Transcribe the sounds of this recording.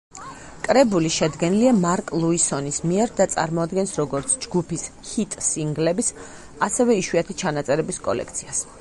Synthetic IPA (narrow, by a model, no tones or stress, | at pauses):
kʼɾɛbuliʃɛd̪ɡɛniliamaɾkʼlˠuisɔnismiɛɾd̪at̪sʼa̰ɾmɔad̪ɡɛnsɾɔɡɔɾt̪sʰd͡ʒɡupʰishit̪ʼsiŋɡlɛbis | asɛvɛiʃwiat̪ʰit͡ʃʰanat̪sʼɛɾɛbiskʼɔ̰lɛ̰kʰt̪sʰias